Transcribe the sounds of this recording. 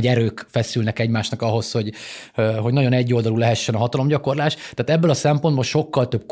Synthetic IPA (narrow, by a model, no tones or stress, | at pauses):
ɟɛɾøːkfɛsylnɛkɛɟmaːʃnɒkɒɦo̞sho̞ɟ | ɦo̞ɟnɒɟo̞nɛɟːo̞ld̪ɒlulɛɦɛʃːɛnɒɦɒt̪ɒlo̞mɟɒko̞rlaːʃt̪t̪aːt̪ɛbːɛlɒsɛmpo̞nd̪bolʃo̞kːɒlt̪øb̥̚k